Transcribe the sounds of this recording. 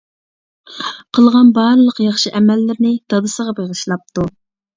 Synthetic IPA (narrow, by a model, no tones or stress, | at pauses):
qʰəlˠʁɑnbɑɾlˠəqjɑχʃiʔɛmɛlːɪɾnɪd̪̥ɑd̪ɨsəʁɑbeʁəʃlˠɑp̚t̪u